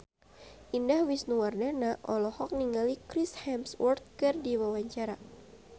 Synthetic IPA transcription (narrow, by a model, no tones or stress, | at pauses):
ʔindahwisnuwardanaʔɔlɔhɔk̚niŋɡalikɾishɛmswɔrt̪̚kɨrdiwawaɲt͡ʃaɾa